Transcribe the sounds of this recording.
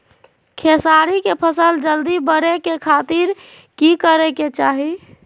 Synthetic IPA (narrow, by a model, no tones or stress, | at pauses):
kʰesaɾikepʰəsəld͡ʒəld̪ibəɾekekʰat̪iɾ | kikəɾeket͡ʃaɦi